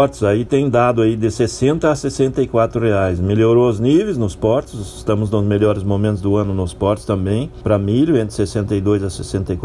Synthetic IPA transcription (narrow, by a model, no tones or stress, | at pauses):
ɔɾt͡ʃ̪ɪ̥zait̪ẽj̃d̪ad̪ʊaid̪ɪsesẽnt̪ɐːsesẽnt̪ɐɪkwat̪ɾʊheajsmeʎoɾoʊznivejznʊspɔɾt͡ʃ̪ɪ̥zɪst̪ɐ̃mʊznʊ̃zmeʎɔɾɪzmomẽnt̪ʊzd̪ʊɐ̃nʊnʊspɔɾt͡ʃ̪ɪ̥st̪ɐ̃mbẽj̃pɾɐmiʎʊẽnt̪ɾɪsesẽnt̪ɐjd̪ojzɐsesẽnt̪ɐjk